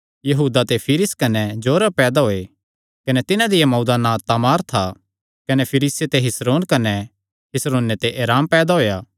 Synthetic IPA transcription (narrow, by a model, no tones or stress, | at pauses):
jɐɦuːd̪at̪epʰiːɾɪskɐnɛd͡ʒoːɾəbpɛːd̪aɦoːe | kɐnɛt̪ɪnãd̪ɪjamɔːd̪anãt̪aːmaːɾt̪ʰa | kɐnepʰɪɾiːset̪eɦɪsɾoːnkɐnɛ | ɦɪsɾoːnːet̪eʔeːɾaːmpɛːd̪aɦoːjaː